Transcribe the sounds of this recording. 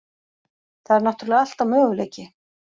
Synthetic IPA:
θaðɛɾnaht̪ɾalɛɣal̥t̪avmœːɣʏleːjcɪ

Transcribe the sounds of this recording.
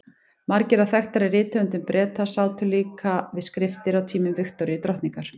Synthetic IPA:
maɾcɪɾaθɛxt̪ɛɾɛrɪːt̪ʰœnt̪̬ʏmpɾɛːt̪asaːwt̪ʰʏliːkʰavɪðskɾɪft̪ɪɾawt̪ʰiːmʏmvɪxt̪ɔɾɪɪt̪ɾɔht̪niŋkaɾ̥

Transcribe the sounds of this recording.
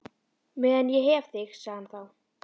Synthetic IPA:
vɛːðanjɛɦɛvθɪxsaɣðanθaw

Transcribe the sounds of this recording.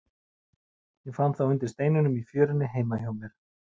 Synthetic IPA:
jɛɣfanθawʏnt̪ɪ̥ɾst̪eːjnʏnʏmifjœːɾɪnːɪɦeːjmajoːwmɛɾ̥

